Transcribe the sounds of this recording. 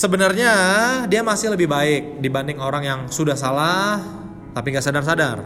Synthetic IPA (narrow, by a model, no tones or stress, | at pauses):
səbənarɲadiamasɪhləbɪhbaɪk̚dibandɪŋoɾaŋjaŋsudahs̬alah | t̪apiŋɡaʔsadarsadar